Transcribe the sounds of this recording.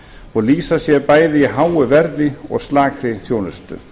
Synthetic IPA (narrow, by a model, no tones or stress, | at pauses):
ɔliːsasjɛɾpajðɪɦawʏvɛɾðɪɔ̰ɣslaːkʰɾɪθjoːnʏst̪ʏ̰